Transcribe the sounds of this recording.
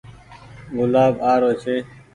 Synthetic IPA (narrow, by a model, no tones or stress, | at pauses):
ɣʊlaːbaːɾoːt͡ɕʰe